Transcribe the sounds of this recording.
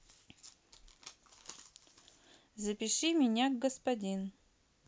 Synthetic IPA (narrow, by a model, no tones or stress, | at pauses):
zəpʲɪʂɨmʲɪnʲaɡɡəspɐdʲin